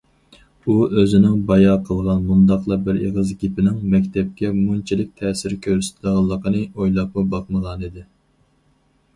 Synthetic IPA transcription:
uøzɪnɪŋbɑjɑːqʰəlˠʁɑnmund̪ɑqlˠɑbɪɾeʁəzɡʲipɪnɪŋmɛkʲt̪ʰɛp̚kʲɛmunt͡ʃʰilɪk̚ʲt̪ʰɛːsɪɾkʲʰøɾsɪ̥t̪ʰləʁəlˠːəqʰənɨojlˠɑp̚mubɑq̚məʁɑnid̪ɪ

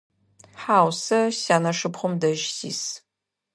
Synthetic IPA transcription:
ħaːwsɐɕaːnɐʂɨpχʷʊmdɐʒsḭːs

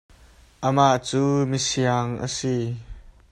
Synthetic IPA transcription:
ʔəmaʔt͡suːmisiaŋʔə̰si

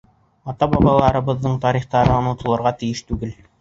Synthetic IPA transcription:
ɑt̪ɑbɑbˠɑlˠɑɾɤ̆βɤ̆ðːɤɴt̪ɑɾiχt̪ɑɾɤonŏt̪ɤ̆lˠɤ̆ɾʁɑt̪ɘ̆jɘʃt̪ʉɡɘl

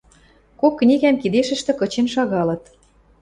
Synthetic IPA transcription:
kokːnʲiɣæmkid̪eʃə̆ʃt̪ĕkɤ̆t͡ɕenʃɑɣɑlɤ̆t̪

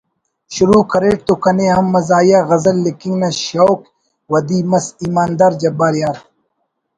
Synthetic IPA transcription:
ɕuɾuːkɐɾeːʈ̚t̪ukɐnehɐmːɐzaːjaɣɐzɐlːikiŋɡnɐɕowk | wɐd̪iːmɐsimaːnd̪aːɾd͡ʒɐbaːɾjaːɾ

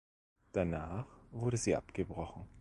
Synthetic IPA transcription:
d̥anaːχv̥ʊɐɾəziːʔa̰pɡ̥əbʁɔχn̩

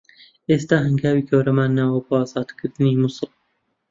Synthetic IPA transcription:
eːst̪aːɦɨŋɡæːwiːkʰoːɾamaːnːawabɨɑːzɑːd̪kʰɨɾt̪ɨniːmusɨl

